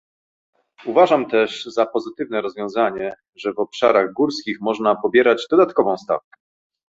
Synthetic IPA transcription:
uvaʐamt̪ɛʐzapɔzɘt̪ɘvnɛɾɔzvʲjɔ̃w̃zaɲɛ | ʐɛvɔpʂa̰ɾaɣɡuɾskʲixmɔʐnapɔbʲjɛɾad͡ʑd̪ɔd̪at̪kɔvɔ̃w̃st̪a̰fkɛ̥

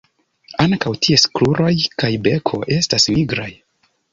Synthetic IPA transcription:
aŋkawtie̞skluɾʔo̞jkajbe̞kʰo̞̰ʔe̞stasmiɡɾaj

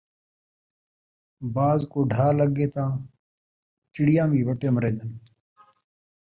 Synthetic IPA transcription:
baːzkoːɖʱaːləɡeːt̪ãː | t͡ʃɪɽijãːmiːʋɐʈeːmɾẽːnd̪ən

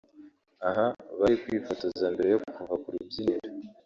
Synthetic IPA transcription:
aɦaβaɾekwiːfatazandiɾejoku̥kuvakuɾibjiniɾi

